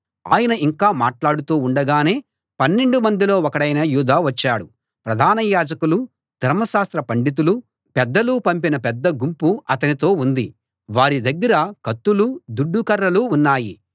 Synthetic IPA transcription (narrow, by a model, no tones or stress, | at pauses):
a̰ːjɐnɐʔiŋkaːmaːʈlaːɽut̪uːuɳɖɐɡaːne̞ː | pɐnːe̞ɳɖumɐnd̪ilo̞ːɔkɐɽɐjnɐjuːd̪aːʋɐt͡ʃːaːɽu | pɾɐd̪ʱaːnɐjaːd͡ʒɐkulu | d̪ʱɐɾmɐʃaːst̪ɾɐpɐɳɖit̪̬ulu | pɛd̪ːɐlupɐmpinɐpɛd̪ːɐɡumpuɐt̪ɐnit̪o̞ːund̪i | ʋaːɾid̪ɐɡːɐɾɐkɐt̪ːulud̪uɖːukɐɾːɐluːnːaːji